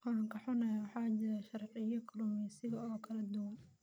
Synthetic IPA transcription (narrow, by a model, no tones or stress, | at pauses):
kɔɾɐŋkʰɐħʊnɛjawɑħɑːt͡ʃɪɾaʃɑrʕɪjɐkʰlumiːsɪɣɐɔːkʰɐlɛd̪ʊwɐn